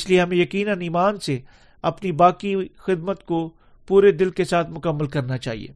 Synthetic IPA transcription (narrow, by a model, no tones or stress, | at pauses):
slieɦɐmẽjɐkiːnãniːmaːnse | ɐpnibaːkixɪd̪mət̪ko | puːɾed̪ɪlkesaːt̪ʰmʊkəmːəlkɐɾnat͡ʃaːɦḭḛː